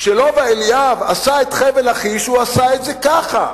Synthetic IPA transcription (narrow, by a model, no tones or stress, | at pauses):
ʃelo̞vaeliavasaet̪χevelaχiʃuasaet̪zekaχa